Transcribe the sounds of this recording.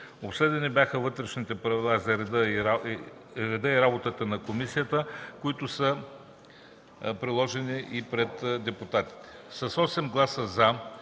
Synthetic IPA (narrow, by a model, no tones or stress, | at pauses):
opsɛd̪ɛnibʲjaxəvɤt̪ɾɛʃnit̪ɛpɾɐvilˠazɐɾɛd̪əɾ | ɾɛd̪əiɾabot̪ət̪ənɐkomisijət̪əkʊit̪ʊsə | pɾilˠɔʒɛniʔipɾɛt̪d̪ɛpʊt̪at̪i̥t̪ɛ̥sɐsɔsɛmɡlˠasəza